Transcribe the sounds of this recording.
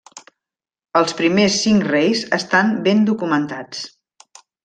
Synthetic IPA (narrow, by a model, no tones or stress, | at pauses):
əlˠspɾimesːiŋkrejzə̰st̪ambend̪ukumənt̪at͡s